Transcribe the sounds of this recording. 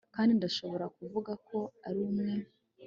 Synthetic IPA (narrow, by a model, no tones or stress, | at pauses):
kaːndindaʃo̞βo̞ɾakuvuɡakʰo̞aɾimŋe̞